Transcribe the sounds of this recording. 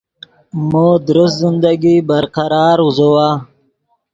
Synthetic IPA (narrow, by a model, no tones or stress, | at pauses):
moːd̪ɾʊst̪zɪnd̪aɡibaɾqaɾɑːɾuzowa